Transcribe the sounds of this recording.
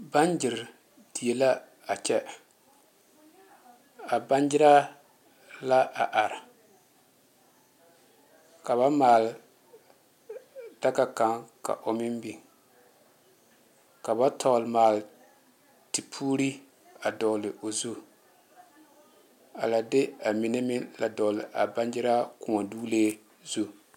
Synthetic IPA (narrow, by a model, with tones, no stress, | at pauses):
ba˦nd͡ʒɪ˨ɾ | d̥i˨e˨la˦ | a˨t͡ʃɛ˦ | a˨ba˦nd͡ʒɪ˦ɾa˦ | la˦ʔa˨ʔa˨ɾɪ˨ | ka˨βa˦maː˨l | d̥a˦ɡa˦ka˨ŋka̰˨ʔo˨mɪ˦mbi˨ | ka˨ba˦tʰɔ˨lmaː˨l | ti˨pʰuː˦ɾi˦ | a˨dɔ˨lɪ˨o˨zu˦ | a˨la˨de˦a˨mi˨ne˦mɪ˦la˨dɔ˨lɪ˨ʔa˨ba˦n˦d͡ʒɪ˦ɾa˦kʊ˨ŋa˨duː˦leː˦ | zu˦